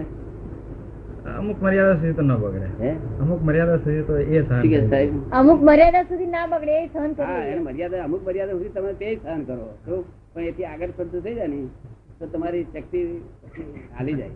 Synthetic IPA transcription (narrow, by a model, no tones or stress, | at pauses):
ə̰mukməɾijad̪as̬ud̪ʱit̪onəbəɡɭḛəmukməɾjad̪asud̪ʱit̪oesəɦəikɛsaibəmukməɾjad̪asud̪ʱinabəɡɽeesəɦənkəɾaoeneməɾjad̪aəmuk̚məɾjad̪asud̪ʱit̪əmaɾt̪ed͡ʒsəɦənkəɾot̪o | pəɳet̪ʰiaɡəʈsənt̪ut̪ʰəid͡ʒanit̪ot̪əmaɾiʃəkt̪i | a̰lid͡ʒa̰j